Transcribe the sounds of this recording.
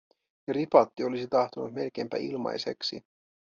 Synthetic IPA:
ɑɾipɑt̪ːio̞lisit̪ɑht̪onut̪me̞lk̟eːmpæ̰ʔḭlmɑ̰jse̞ksḭ

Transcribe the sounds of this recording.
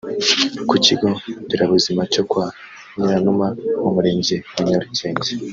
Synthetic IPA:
kuciɡotiɾaβuzimacokwaː | ɲiɾanumaomuɾeːɲɟewaɲoɾiceːnze

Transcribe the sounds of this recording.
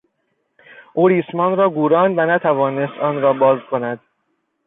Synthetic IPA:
ʔuːɾiːsmɒːnɾɒːɡuːɾɒːnd̪vænæt̪ʰævɒːnest̪ɒːnɾɒːbɒːzkʰo̞næd̪̥

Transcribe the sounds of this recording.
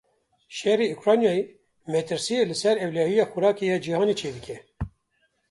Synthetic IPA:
ʃɛreukɾɑːnjɑːe | mɛt̪ɨɾsilɨsɛɾɛwlɑːhijɑːxuɾɑːkejɑːd͡ʒihɑːneːt͡ʃʰeːd̪ɨkʲʰɛ

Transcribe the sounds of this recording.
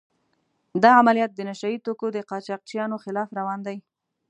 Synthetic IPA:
d̪ɑamalijɑt̪̚d̪ənaʃait̪okod̪əqɑt͡ʃɑq̚t͡ʃjɑnoxɪlɑfɾawɑnd̪aj

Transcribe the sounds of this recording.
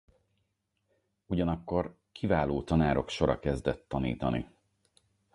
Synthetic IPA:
uɟɒnɒkːo̞r | kʰivaːloːt̪ɒnaːɾo̞kʃo̞ɾɒ̰kɛzd̪ɛt̪ːɒnḭːt̪ɒnḭ

